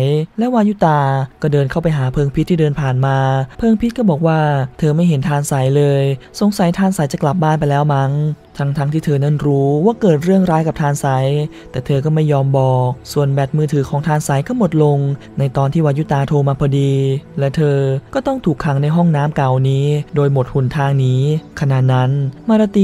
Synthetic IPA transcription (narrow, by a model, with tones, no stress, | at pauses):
jlɛ˦˥waː˧˥ju˦˥t̪aː˧kɔː˥˩dɤː˧nkʰa˥˩wpa˧jɦaː˩˦pʰɤː˧ŋpʰi˦˥t̪ʰːiː˥˩dɤː˧npʰaː˨˩nmaː˧pʰɤː˧ŋpʰi˦˥kɔː˥˩bɔː˨˩k̚waː˥˩t̪ʰɤː˧ma˥˩jɦe˩˦nt̪ʰaː˧nsa˩˦jlɤː˧jso˨˩˦ŋsa˨˩˦jt̪ʰaː˧nsa˨˩˦jt͡ɕa˨˩kla˨˩p̚baː˥˩np̬a˧jlɛː˦˥wma˦˥ŋ | t̪ʰa˦˥ŋt̪ʰaː˦˥ŋt̪ʰiː˥˩t̪ʰɤː˧na˥˩nɾuː˦˥waː˥˩kɤː˨˩t̪̚ɾɯ˥˩əŋɾaː˦˥jka˨˩p̚t̪ʰaː˧nsa˩˦jt̪ɛː˨˩t̪ʰɤː˧kɔː˥˩ma˥˩jːɔː˧mbɔː˨˩k̚su˨˩ənbɛː˨˩t̪̚mɯː˧˩t̪ʰɯː˨˦kʰɔː˩˦ŋt̪ʰaː˧nsa˩˦jkʰɔ˥˩mo˨˩t̪̚lo˧ŋ | na˧jt̪ɔː˧nt̪ʰiː˥˩wa˧˥ju˧˥˩t̪aː˧t̪ʰoː˧maː˧pʰɔː˧diː˧lɛ˦˥t̪ʰɤː˧kɔː˥˩t̪ɔ˥˩ŋt̪ʰuː˨˩kʰːa˩˦ŋna˧jɦɔ˥˩ŋnaː˦˥mka˨˩wniː˦˥doː˧jmo˨˩t̪̚hu˨˩nt̪ʰaː˧ŋniː˦˥kʰa˧naː˨˩t̪̚na˦˥nmaː˧ɾa˧t̪i˧